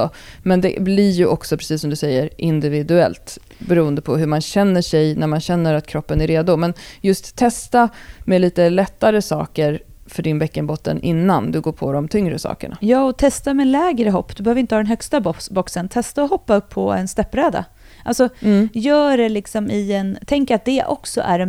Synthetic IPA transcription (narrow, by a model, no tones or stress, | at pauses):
ɔ | mɛnd̪ɛ̰blɪɾjɵʔɔksɔpʰɾɛsiːsːɔmd̪ɵsɛjːəɾʔɪnd̪ɪvɪd̪ɵɛ̰lt̪ | bɛɾuːənd̪əpʰɔɦɵɾmanɕɛnːəʂɛjnæɾmanɕɛnːəɾat̪kʰɾɔpːənæɾeːd̪ʊmɛnjɵst̪t̪ʰːɛst̪amɛliːt̪əlɛt̪ːaɾəsɑ̰ːkəɾfœɖɪnbɛkːənbɔt̪ːə̰nʔɪnːand̪ɵɡoːpʰɔd̪ɔmt̪ʰʏŋɾəsɑ̰ːkə̰ɳa̰jɑːɔt̪ʰɛst̪amɛlɛːɡɾəɦɔpːd̪̥ɵbɛhøːvɾɪnt̪əhɑːd̪ɛnɦœkst̪abɔksənt̪ʰɛst̪aɔɦɔpːaɵpʰːɔɛ̰nst̪ɛpːɾɛːd̪a̰ | ʔalsɔjœːɖɛlɪksɔmɪɛnt̪ʰɛŋkəɾat̪̚d̪ɛʔɔ̰ksɔ̰ʔæ̰ɾɛn